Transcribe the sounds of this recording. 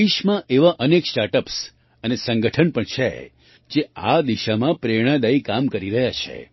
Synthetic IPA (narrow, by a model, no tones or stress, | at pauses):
iʃmãʔeʋaʔəneksʈaɾʈəps | ənesə̃ŋɡəʈʰənpəɳt͡ʃʰḛ | d͡ʒead̪iʃamãpɾeɽ̃ãd̪aikamkəɾiɾəɦjat͡ʃʰḛ